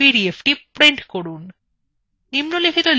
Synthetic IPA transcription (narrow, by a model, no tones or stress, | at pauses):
iɾiefʈipɾeɳʈkoɽun | nimnulekʰit̪ol